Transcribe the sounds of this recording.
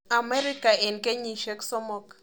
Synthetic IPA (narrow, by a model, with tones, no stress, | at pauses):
a˨mɛ˦ɾi˦ka˨ɛ˨nke˦ɲi˨ʃɛ˦ksɔ˦mɔ˨k